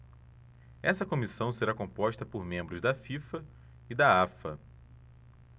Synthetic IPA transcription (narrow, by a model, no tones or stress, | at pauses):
ɛsɐkõmisɐ̃w̃seɾakõpɔʃt̪ɐpoɾmẽmbɾʊzd̪ɐfifɐ | id̪aafɐ